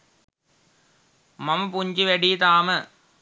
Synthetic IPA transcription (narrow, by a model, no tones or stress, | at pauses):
mɐmɐpuɲd͡ʒiʋɐɽiːt̪aːmɐ